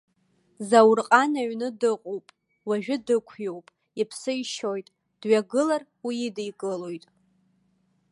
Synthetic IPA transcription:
zawrqʼanaɥnɨdɨqʼowpʼ | waʒᶣʊdɨkʷʰjowpʼ | ipʰsɨiʃojtʼ | d̥ɥaɡɨlarwiidejkʼɨlojtʼ

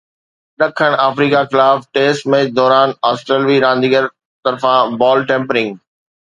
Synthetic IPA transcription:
ɗɐkʰːəɽ̃aːfɾiːkaxɪlaːfʈeːsʈmẽːd̪ɔːɾaːnaːsʈɾeːlʋiɾãːn̆d̪iːɡəɾ | t̪ɐɾfãbɔːlʈẽːmpɾɪ̃ŋɡ

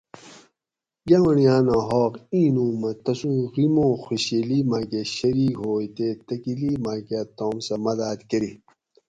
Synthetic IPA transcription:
ɡawɐɳijaːnãɦɔːqĩːnũːmɐt̪ɐsũɣimõːxuɕeliːmaːkeɕɐɾiːkhoːjt̪eːt̪ɐkiliːmaːket̪õːmsɐmɐd̪aːt̪kɐɾi

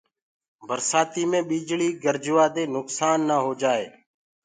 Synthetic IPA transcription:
bʱəɾsaːt̪iːmẽːɓiːd͡ʒɭiːɡəɾd͡ʒʊʋaːd̪eːnʊksaːnːaːɦoːd͡ʒaːḛː

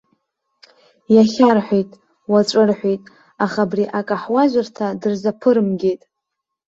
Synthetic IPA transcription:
jaχʲarħʷejtʼ | wat͡ʃʷʼɨrħʷᶣejtʼ | aχabriʔakʼaħwaʒʷartʰadɨrzapʰɨɾɨmɡʲejtʼ

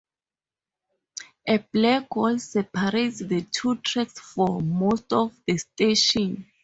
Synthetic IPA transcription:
ʔɛblɛɡolsɛpʰaɹetsðətʰutʰɹɛksfɔmostɔfdəsteʃɔ̃n

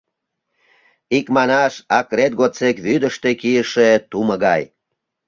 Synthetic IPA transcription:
ikmɑnɑʃɑkred̪̚ɡot͡sekβyd̪əʃt̪ekijəʃet̪uməɣɑj

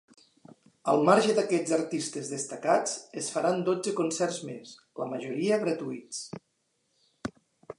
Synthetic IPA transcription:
əlˠmaɾʒəd̪akɛd͡zzəɾt̪ist̪ezðəst̪akat͡səsfaɾand̪od͡zəkunsɛɾzmes | ləməʒuɾiəɣɾət̪uit͡s

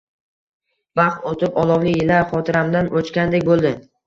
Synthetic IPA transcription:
bɑχt̪ot̪ʰɪpɒlˠɒwlɪjɪlaɾχɒt̪ʰɪɾamd̪anʔot͡ʃkʲand̪ekʲbolˠd̪ɪ

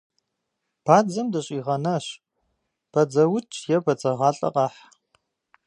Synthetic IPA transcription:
b̥aːd͡zɐmdɐɕʼiːʁɐnɐɕ | b̥ɐd͡zɐwʊt͡ʃʰʼjɛbɐt͡sʼɐʁɑːɬʼɐ̰qʼɑːħ

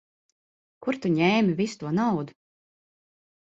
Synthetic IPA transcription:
kuɾt̪uɲɛːmivisu̥t̪uɔnawd̪u̥

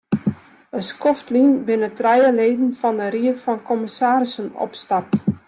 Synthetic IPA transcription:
əskɔftlinbɪnətrɛjəleːdn̩fɔndəɾiəfɔnkʰɔmɪsaːɾɪsənɔ̰pstap̚t

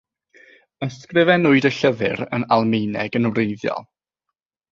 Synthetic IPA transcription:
əskrɪvɛnʊɨdəɬəvɨɾə̰nalˠmejnɛɡənvrejðjɔ̰lˠ

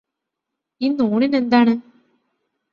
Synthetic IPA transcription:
inːuːɳine̞nd̪aːɳɨ

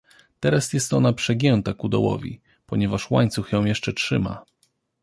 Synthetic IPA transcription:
t̪ɛɾasjɛst̪ɔnapʂɛɡʲjɛnt̪akud̪ɔ̰wɔ̰vʲḭ | pɔɲɛvaʂwaɲt̪suxjɔ̃w̃jɛʂt͡ʂɛtʂɘma̰

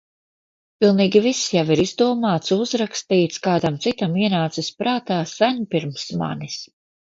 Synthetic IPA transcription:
pilˠniːɡʲivisjaviɾizd̪uɔmaːt̪suzɾakst̪iːt̪skaːd̪amt̪sit̪amiɛnaːt̪sispɾaːt̪aːsænpiɾmsma̰nis

